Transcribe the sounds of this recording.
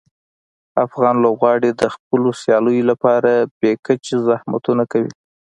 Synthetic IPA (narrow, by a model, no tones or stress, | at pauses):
afɣɑnlobɣɑɽed̪əxp̚əlosjɑləjolapɑɾab̥ekət͡ʃezahma̰t̪unakawḭ